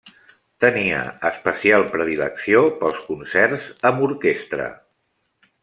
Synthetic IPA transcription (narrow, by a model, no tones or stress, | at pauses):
t̪əniə̰əspəsialˠpɾəðiləksiopəlˠskunsɛrzəmbuɾkest̪ɾə̰